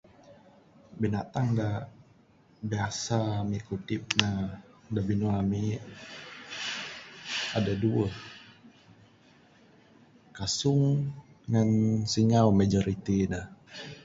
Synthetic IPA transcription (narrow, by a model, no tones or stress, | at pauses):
binat̪aŋda | biasamikut̪ɪp̚nadabinulami | adaduəh | kasʊŋ | ŋansiŋaumad͡ʒɔɾit̪inah